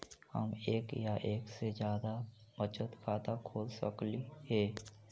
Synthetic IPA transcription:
hə̰meːkjaʔeːksed͡ʒjaːd̪abət͡ʃət̪kʰaːt̪akʰoːlsə̰klihɛː

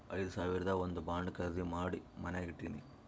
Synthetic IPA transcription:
ɐjd̪usaːʋiɾɐd̪ɐond̪ubaːɳɖkɐɾzimaːɽimɐneːɡiʈːinḭ

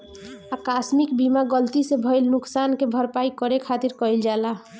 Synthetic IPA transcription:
akasmikbimaɡəlt̪isebʱɔjlnuksankebʱəɾpaikɔɾekʰat̪iɾkɔjld͡ʒala

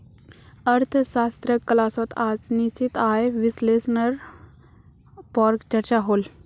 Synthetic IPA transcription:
ɐɾt̪ʰʃaːst̪ɾəkːɐlaːsot̪ʰaːd͡znit͡ʃit̪aːjʋisleːsnəɾ | paːɾkt͡ʃɐɾt͡ʃaɦoːl

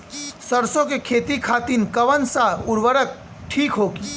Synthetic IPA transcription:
səɾsõkekʰeːt̪ikʰaːt̪inkəʋənsaʊɾʋəɾək̚ | ʈʰiːkɦoːki

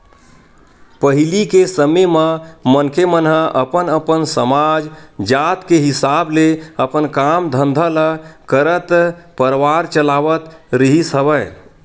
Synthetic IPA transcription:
pəɦilikesəmemə̃mənkʰemənɦəʔəpənəpənsəmad͡ʒd͡ʒat̪keɦisableəpənkamd̪ʱə̃nd̪ʱələkəɾət̪pəɾʋaɾt͡ʃəlaʋət̪ɾiɦisəbəj

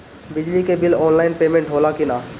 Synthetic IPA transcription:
bɪd͡ʒlikebɪlɔːnlaːɪnpeːmẽɳʈoːlakɪnaː

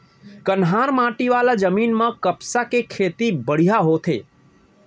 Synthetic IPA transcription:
kənɦaɾmãʈiʋalad͡ʒəmiːnməkəpsakekʰet̪ibəɽ̤ijaɦot̪ʰḛ

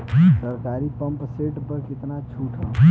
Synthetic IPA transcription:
səɾkaɾipəmpseʈpəɾkɪt̪nat͡ʃʰuːʈʰə̃

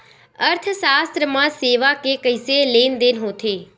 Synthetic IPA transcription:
əɾt̪ʰsaːst̪ɾəmãːseːʋaːkeːkəɪseːleːnd̪enɦoːt̪ʰeː

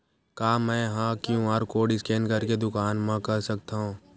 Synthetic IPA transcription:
kaːmɛ̃ːɦãkjũaːɾkoːɖɪskɛːnkɐɾked̪ʊkaːnmãkɐɾsɐk̚t̪aɦũː

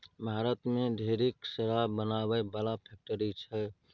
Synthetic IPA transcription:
bʱaːɾət̪mẽd̪ʱeːɾeksəɾabənabəbəlapʰɛk̚ʈəɾit͡ʃʰɛ

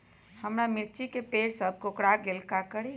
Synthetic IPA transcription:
həmɾamɪɾt͡ʃikepeːɽsəb̚ʱkokɽaɡɪlkakəɽi

